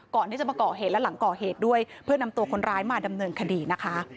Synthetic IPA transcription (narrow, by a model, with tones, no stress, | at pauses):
kɔː˨˩nʰi˦˥˩t͡ɕa˨˩maː˧kɔː˨˩ɦeː˨˩lɛ˦˥la˩˦ŋkɔː˨˩ɦeː˨˩t̪̚du˥˩əjpʰɯ˥˩əna˧mt̪u˧ɐkʰo˧nɾaː˦˥jmaː˧˩da˧mnɤː˧nkʰa˧diː˧na˦˥kʰa˦˥